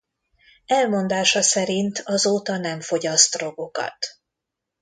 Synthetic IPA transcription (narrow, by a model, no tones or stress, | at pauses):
ɛlmo̞nd̪aːʃɒsɛɾint̪ʰɒzoːt̪ɒnɛɱfo̞ɟɒst̪ro̞ɡo̞kɒ̰t̪